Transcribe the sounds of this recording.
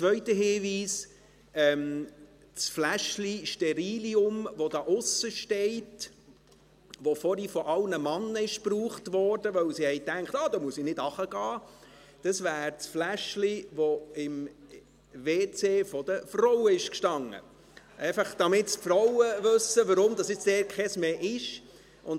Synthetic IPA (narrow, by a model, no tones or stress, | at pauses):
t͡sʋœʏtəɦɪːʋiːs | ɛm | t͡sflæʃliʃtɛɾiːliʊmvod̥ɑːʔʊsəʃtɛɪt | ʋofɔɾifɔʔɑlnəmɑnːəɪʃpruːχtʋɔːɾd̥əʋœwsihɛjtæŋkχtɑːd̪ɑmuəsɪnɪdɑχəɡ̥ɑː | d̥əsvæːɾt͡sflæʃliʋoɪm | veːt͡seːfɔd̥əfrɔwəɪʃkʃtɑŋːə̰ | ʔɛɪfɑχd̥ɑmɪtspfɾɔwəʋɵsːəʋəɾʊmdɑsjɪt͡sd̥ɛːɾkχɛsmeːʔɪʃ | ʔʊn